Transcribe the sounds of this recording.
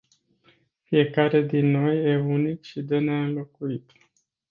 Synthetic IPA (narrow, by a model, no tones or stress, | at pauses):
fije̞kaɾe̞d̪inːo̞je̞unikʃid̪eneɨnlo̞kuit̪